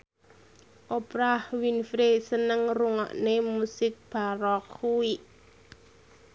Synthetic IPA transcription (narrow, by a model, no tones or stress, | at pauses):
ʔopɾahwinfɾesənəŋruŋɔ̰ʔnemusɪk̚b̥aɾɔkhuwiʔ